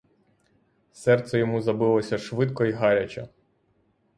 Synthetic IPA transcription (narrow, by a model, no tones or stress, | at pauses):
sɛrt̪sɛjɔmuzɐbɪlˠɔsʲɐʃʋɪt̪kɔiɦɑɾʲɐt͡ʃʲɐ